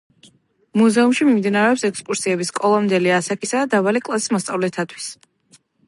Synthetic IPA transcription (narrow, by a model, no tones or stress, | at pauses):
muzɛumʃimimd̪inaɾɛɔpsɛkspʼuɾsiɛbiskʼɔlˠɔmd̪ɛliasakʼisad̪avalikʼlˠasi̥smɔst̪sʼavlɛt̪ʰat̪ʰwi̥s